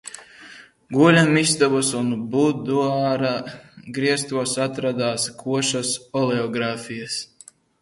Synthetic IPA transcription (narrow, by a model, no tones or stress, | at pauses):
ɡuɔlʲamist̪ɔbɐsunbud̪uaːɾaɡɾiɛst̪uɔsat̪ɾad̪aːskʰuɔʃasɔleɔɡɾaːfʲijas